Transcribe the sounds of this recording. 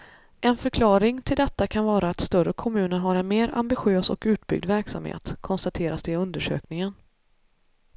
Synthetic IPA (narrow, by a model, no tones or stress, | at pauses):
ʔɛnfœɾkʰlɑːɾɪŋt̪ʰɪld̪ɛt̪ːakʰanvɑːɾaːt̪st̪œrəkʰɔmʉ̟ːnəɾɦaɾɛnmeːɾa̰mbɪɧɪøːsɔ̰kʉ̟ːt̪̚bʏ̰ɡ̚d̪væɾksa̰mhḛːt̪kʰɔnst̪at̪ʰeːɾasd̪ɛɵnd̪əʂø̰ːknɪŋən